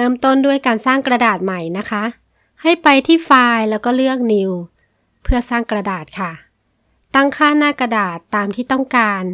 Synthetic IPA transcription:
ɾɤː˧˥˩mt̪o˥˩ndu˥˩əjkaː˧nsaː˥˩ŋkɾa˧daː˨˩t̪̚ma˨˩jna˦˥kʰa˦˥ʔ | ha˥˩jpa˧jt̪ʰiː˥˩faː˧jlɛː˦˥wkɔː˥˩lɯ˥˩ək̚ni˧w | pʰɯ˥˩ɐsaː˥˩ŋkɾa˧daː˨˩t̪̚kʰa˥˩ | t̪a˥˩ŋkʰaː˥˩nnaː˥˩ka˧daː˨˩t̪ːaː˨˧mt̪ʰiː˥˩t̪ɔ˥˩ŋkaː˧n

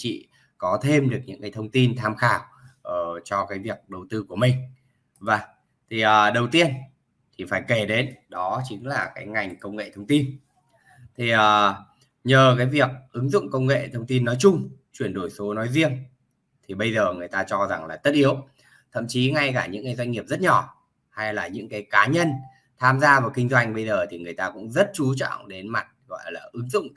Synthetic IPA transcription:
t͡ɕḭ˧˨ | kɔ˨˦t̪ʰe˧mɗɨ˨˩ək̚ɲɨ̰˧˥ŋkaː˨˦jt̪ʰə˧wŋ͡mt̪i˧nt̪ʰaː˧mxaː˧˩w | ʔəː˨˩t͡ɕɔ˧kaː˨˦jvi˨˩ək̚ɗə˨˩wt̪ɨ˧ku˧˩əmï˨˩ŋ̟ | vaː˨˩ | t̪ʰi˨˩ʔəː˨˩ɗə˨˩wt̪i˧ən | t̪ʰi˨˩faː˧˩jke˧˩ɗe˨˦nɗɔ˨˦t͡ɕï˨˦ŋ̟laː˨˩kaː˨˦jŋa˨˩jŋ̟kə˧wŋ͡mŋḛ˧˨t̪ʰə˧wŋ͡mt̪i˧n | t̪ʰi˨˩ʔəː˨˩ | ɲəː˨˩kaː˨˦jvi˨˩ək̚ʔɨ˨˦ŋzʊ̰˧˨ŋ͡mkə˧wŋ͡mŋḛ˧˨t̪ʰə˧wŋ͡mt̪i˧nːɔ˨˦jt͡ɕʊ˧ŋ͡mt͡ɕwi˧˩ənɗo˧˩jso˨˦nɔ˨˦jzi˧əŋ | t̪ʰi˨˩ɓə˧jzəː˨˩ŋɨ˨˩əjt̪aː˧t͡ɕɔ˧za˨˩ŋlaː˨˩t̪ə˦˥t̚ʔi˨˦əw | t̪ʰə̰˧˨mt͡ɕi˨˦ŋa˧jkaː˧˩ɲɨ̰˧˥ŋkːaː˨˦zwa˧jŋ̟ŋi˨˩əp̚zə˦˥t̚ɲɔ˧˩ | ha˧jlaː˨˩ɲɨ̰˧˥ŋkaː˨˦jkaː˨˦ɲə˧n | t̪ʰaː˧mzaː˧vaː˨˩wkï˧ŋ̟zwa˧jŋ̟ɓə˧jzəː˨˩t̪ʰi˨˩ŋɨ˨˩əjt̪aː˧kʊ̰˧˥ŋ͡mzə˦˥t̚t͡ɕu˨˦t͡ɕɔ̰˧˨ŋ͡mɗe˨˦nma˨˩t̚ɣɔ̰˧˨laː˨˩ʔɨ˨˦ŋzʊ̰˧˨ŋ͡m

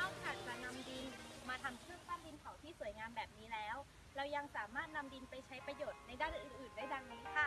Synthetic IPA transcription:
a˧˩wkʰaː˨˩t̪̚t͡ɕa˧na˧mdi˧nmaː˧t̪ʰa˧mkʰɯ˥˩ək̚fʰaː˥˩di˧nkʰa˨˩˦wt̪ʰiː˥˩su˩ə˦jŋaː˧mbɛː˨˩p̚niː˦˥lɛː˦˥w | ɾa˧wja˧ŋsaː˩˦maː˥˩t̪̚na˧mdi˧npa˧jt͡ɕʰa˦˥jpɾa˧joː˨˩t̪̚na˧jdaː˥˩nʔɯː˨˩nʔɯː˨˩ndaː˥˩jda˧ŋna˧˥kʰa˥˩

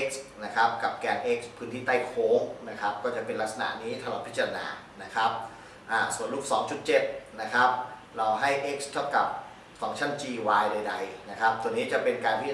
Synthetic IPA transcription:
e˦˥k̚sna˦˥kʰɾa˦˥p̚ka˨˩p̚kɛː˧nʔe˦˥k̚spʰɯː˦˥nt̪ʰiː˥˩t̪a˥˩jkʰoː˦˥ŋna˦˥kʰa˦˥p̚kɔː˥˩t͡ɕa˨˩pe˧nla˦˥k̚sa˧na̰˨˩ʔniː˦˥t̪ʰa˧lɔː˨˩t̪̚pʰi˦˥t͡ɕa˧a˧na̰ː˧na˦˥kʰɾa˦˥p̚ | ʔaː˨˩su˨˩ənluː˥˩k̚sɔ̰ː˩˦ŋt͡ɕu˨˩t̪̚t͡ɕe˨˩t̪̚na˦˥kʰɾa˦˥p̚ | ɾɔː˧wɦa˥˩jʔe˦˥k̚st̪ʰa˥˩wka˨˩p̚ | fɔ˩˦ŋt͡ɕʰa˥˩nt͡ɕiː˧waː˧jda˧jda˧jna˦˥kʰa˦˥p̚t̪u˧ənːiː˦˥t͡ɕa˨˩ʔpe˧nkaː˧npʰi˦˥t͡ɕ

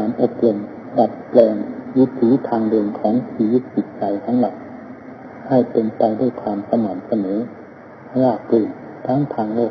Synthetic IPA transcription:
kaː˨˦nʔo˧˩p̚lo˧˩m | la˧˩t̪̚plɛː˧ŋju˧˥˩t̪ʰːuː˨˦t̪ʰaː˧ŋdɤː˧mkʰɔː˨˦ŋt̪ʰiː˧˩ju˧˥˩t̪̚si˨˩t̪̚sa˨˧jt̪ʰa˦˥ŋla˨˧˩t̚ | ha˧˩jpe˧nt̪a˧jduː˧˥˩jk̪ʰaː˧msa˧maː˨˩nsa˧nɤː˨˦˧ | laː˧˩k̚pu˧˩ | t̪ʰaː˦˥ŋt̪ʰaː˧ŋloː˧˩k̚

